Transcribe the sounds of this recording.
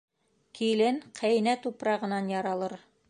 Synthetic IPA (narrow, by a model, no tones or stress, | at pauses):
kilɘnqʰæjnæt̪upɾɑʁɤ̆nɑnjɑɾɑlˠɤɾ